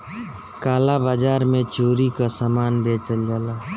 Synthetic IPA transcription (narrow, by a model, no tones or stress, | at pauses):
kaːlabaːd͡ʒaːɾmẽt͡ʃoːɾikasamaːnbeːt͡ʃəld͡ʒaːlaː